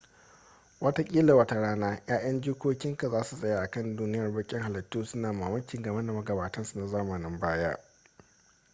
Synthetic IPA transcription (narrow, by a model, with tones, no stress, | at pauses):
wɐ˦ta˦kʲʼiː˦lɐ˨wɐ˦ta˦ɽaː˦naː˦jaː˦j̰ɐ˦nd͡ʒuː˦kʷoː˦kʲɪ˦ŋka˨zaː˦su˨sʼɐ˨jaː˦ʔa˨kɐ˦˨nduː˦nɪ˦jɐ˨rbɐ˦kʲʼɪ˦ŋɦa˨lɐ˨tːuː˦sʊ˦naː˨maː˨mɐ˦kʲɪ˨ŋɡɐ˨mɐ˦na˨mɐ˦ɡɐ˨baː˨tɐ˦nsu˨na˨zaː˦mɐ˨nɪ˨˦mbaː˦jaː˦